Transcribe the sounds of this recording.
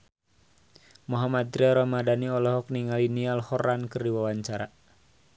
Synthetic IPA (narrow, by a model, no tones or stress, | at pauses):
mɔɦamad̪̚ɾɛɾamadaniɔlɔɦɔk̚niŋalinialhɔɾankərdiwawaɲt͡ʃaɾa